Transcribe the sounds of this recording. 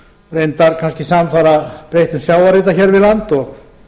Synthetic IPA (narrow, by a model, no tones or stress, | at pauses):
rejnt̪aɾkʰanscɪsaːmθaɾapɾejht̪ʏmsjaːwvaɾɪt̪̬açɛɾvɪðlant̪ɔɣ